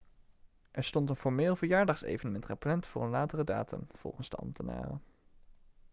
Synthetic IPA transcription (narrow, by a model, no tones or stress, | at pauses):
ʔɛɹstɔntənfɔɹmeːlˠvəɹjaːɹdɑχsḛjvənəmɪntχəplɛntfʊːɹənlaːtərəda̰ːtə̰mv̥ɔ̰lˠχənsd̥ɑ̰lmtʰəna̰ːrə̰